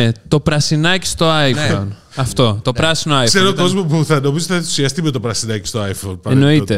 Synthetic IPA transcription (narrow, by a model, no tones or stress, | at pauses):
et̪o̞pɾɐsinɐci̥st̪o̞ɐjfon | ɐft̪o̞t̪o̞pɾɐsinoɐjseɾookko̞zmopuθɐno̞mizot̪θɐeθu̥siɐst̪imet̪opɾɐsinɐci̥st̪oaifonpɐeno̞it̪e